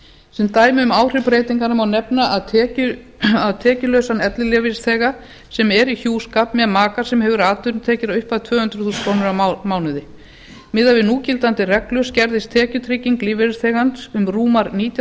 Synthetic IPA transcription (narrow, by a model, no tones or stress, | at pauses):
sɛnt̪aːjmɪʏmaːwr̥ɪpɾeːjt̪iŋkanʏmawnɛpnaʔaðʰɛʏ | aðt̪ʰɛːcʏlœɥsanɛt̪lɪlɛːvɪsθɛːɣa | sɛmɛɾiçuːskapmɛðmaːkḁsɛmhɛvʏɾaːt̪ʏɾnt̪ʰɛːcɪɾʏhpaðt̪ʰvœːhʏnt̪ɾʏ̥θuːskʰownʏɾamaːwnʏðɪ | mɪðavɪðnuːcɪlt̪ant̪ɪrɛklʏscɛɾðɪst̪ʰɛːcʏt̪ʰɾɪcːiŋkliːvɛɾθɛːɣansʏmruːmaɾniːt̪ja